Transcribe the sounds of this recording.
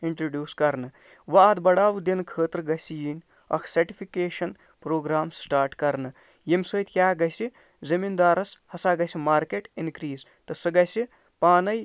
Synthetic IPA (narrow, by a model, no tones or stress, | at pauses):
iɳʈɾoːɖjuːskɐɾnɨ | ʋɐːd̪bɐɽaːʋd̪inkʰəːt̪ɾɨɡɐsijinʲ | ɐ̰kʰsɐɾʈipʰikeːʃɐn | pɾoːɡɾaːmsʈaːɾʈkɐɾnɨ | jemsojt̪ʰkʲjaːɡɐjsi | zɐmind̪aːɾɐshɐsaːɡɐsimaːɾkeʈinkɾiːz | t̪ɨsɨɡɐsi | paːnɐj